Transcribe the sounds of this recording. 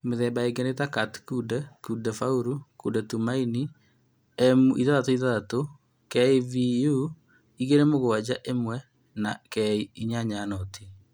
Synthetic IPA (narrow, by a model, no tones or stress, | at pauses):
meðɛbaeɡenetakatkudɛkudɛfauɾukudɛtumaini | ɛmuiðaðatoiðaðato | kɛiviju | iɣeɾɛmoɣoad͡ʑaʔemwɛ | nakɛiiɲaɲanɔtʰi